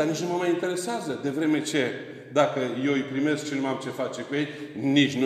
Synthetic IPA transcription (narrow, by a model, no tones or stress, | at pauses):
d̪arnit͡ʃnuməmajint̪e̞ɾe̞seazəd̪e̞vɾe̞me̞t͡ʃe̞ | d̪akəje̞wɨjpɾime̞sk̚t͡ʃe̞nuamt͡ʃe̞fat͡ʃe̞kuje̞jnit͡ʃʲnu